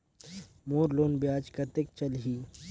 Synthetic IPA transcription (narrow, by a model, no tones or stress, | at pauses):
moːɾloːnbjaːd͡ʒkɐt̪ek̚t͡ʃɐlɦiː